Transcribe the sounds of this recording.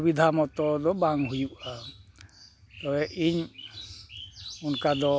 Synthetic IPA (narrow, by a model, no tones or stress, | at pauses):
bid̪ʱamɔt̪ɔd̪ɔbaŋɦujuʔa | t̪ɔɛʔiɲ | unkad̪ɔ